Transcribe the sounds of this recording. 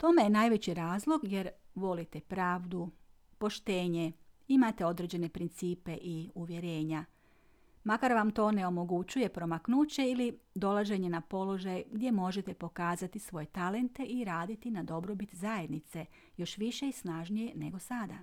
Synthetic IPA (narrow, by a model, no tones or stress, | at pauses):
t̪o̞me̞jenajʋe̞t͡ɕiɾaːzlˠo̞ɡje̞ɾʋo̞lit̪e̞pɾaːʋd̪u | po̞ʃt̪e̞ːɲe̞imat̪e̞o̞d̪ɾe̞d͡ʑe̞ne̞pɾint̪siːpe̞ʔiuʋje̞ɾe̞ːɲa | makaɾʋamt̪o̞ːne̞o̞mo̞ɡut͡ɕuje̞pɾo̞maknuːt͡ɕe̞ilid̪o̞lˠaʒe̞ɲe̞napo̞lo̞ʒajɡd̪je̞mo̞ʒe̞t̪e̞po̞kaːzat̪isʋo̞je̞t̪ale̞nt̪e̞ʔiɾaːd̪it̪inad̪o̞bɾo̞bit̪zaje̞d̪nit̪se̞ | jo̞ʃʋiʃe̞isnaʒnije̞ne̞̰ɡo̞sad̪a